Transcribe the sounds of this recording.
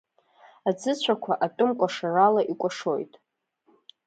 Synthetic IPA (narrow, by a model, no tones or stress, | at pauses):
ad͡zɨt͡ɕʷʰakʷʰaʔatʼʊmkʷʼaʂaralaʔikʷʼaʂojtʼ